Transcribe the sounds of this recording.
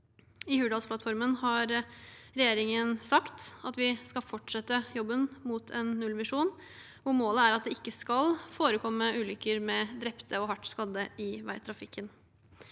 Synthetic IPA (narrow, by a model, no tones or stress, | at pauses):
ɪhʉːɖɑlspʰlɑt̪fɔɾmənhɑɾɾɛjeːɾɪŋənsɑkt̪ɑt̪ʋɪskɑlfɔʈʂɛt̪ːəjɔbːənmut̪ʰɛnːʉlʋɪʂuːn | ɔmoːləæɾɑt̪̚d̪ɛɪkːəskɑlfoːɾəkʰɔmːəʔʉːlʏkːəɾmɛd̪ɾɛpt̪ʰəɔɦɑʈːskɑd̪əɪʋæ̰ɪt̪ʰɾɑfɪkʰːən